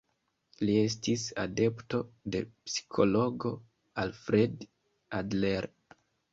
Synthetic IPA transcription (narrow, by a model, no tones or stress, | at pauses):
lie̞stisade̞pto̞de̞psi̥kʰo̞lo̞ɡo̞ | alfɾed | adleɾ